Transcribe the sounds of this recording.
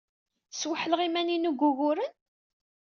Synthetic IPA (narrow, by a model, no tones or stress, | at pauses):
swəħəlʁimæninuɡʷːuɣʊɾən